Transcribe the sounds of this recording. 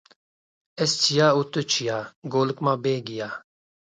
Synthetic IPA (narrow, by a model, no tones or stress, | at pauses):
est͡ɕʰijaːut̪ot͡ɕʰijaːɡoːlkmaːbeːɡijaː